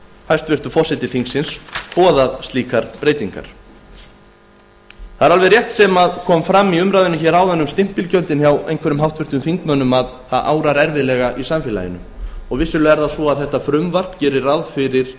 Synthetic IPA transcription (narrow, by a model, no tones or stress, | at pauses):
hajst̪vɪr̥t̪ʏfɔ̥sɪt̪ɪθiŋksɪnspɔːðaðst̪liːkaɾ̥pɾeːjt̪iŋka̰ɾ̥ | θaðɛɾalvɛɾrjɛht̪sɛmaðkʰɔːmfɾamːiʏmɾajðɪnʏçɛɾaːwðɛnːʏmst̪ɪm̥pɪlcœnt̪ɪnçjawḛjnŋkʰvɛɾʏmɦawht̪vɪr̥t̪ʏmθiŋkmœnːʏmað | θaðʔa̰ːwɾaɾɛɾvɪðlɛɣaʔisamfɪɛla̰jɪ̰nʏmɔɣvɪsʏlœɛɾðasɔaðθɛht̪afɾʏmvar̥pcɪːɾɪɾawðfɪɾɪɾ̥